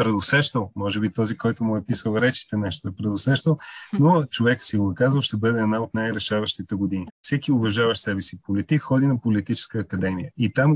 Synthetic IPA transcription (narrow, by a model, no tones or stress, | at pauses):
pɾɛd̪osɛʃt̪əlˠmɔʒɛbit̪ɔzikɔjt̪ʊmʊɛpisəlˠɾɛt͡ʃi̥t̪ɛnɛʃt̪oɛpɾɛd̪osɛʃt̪əlˠnot͡ʃovɛksiɡoɛkazvəlˠʃt̪ɛbɤd̪ɛːd̪naot̪najɾɛʃavɐʃt̪it̪ɛɡʊd̪inifsɛkiʊvɐʒavɐʃsɛbɛsipolit̪ikxɔd̪inɐpolit̪it͡ʃɛ̥skəːkɐd̪ɛmijəit̪am